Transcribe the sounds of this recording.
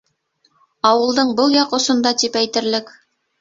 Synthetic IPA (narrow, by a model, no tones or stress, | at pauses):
ɑwɤ̆lˠd̪ɤɴbɤlˠjɑqŏsŏnd̪ɑt̪ipæjt̪ɘ̆ɾlɘk